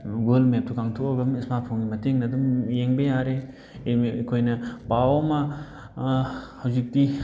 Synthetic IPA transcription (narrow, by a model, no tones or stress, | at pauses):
ɡolmep̚tʰukaŋtʰokɐɡɐmismapʰoŋɡimɐteŋnɐdumjeŋbejaɾe | kʰojnɐpawmɐ | hɐwzik̚ti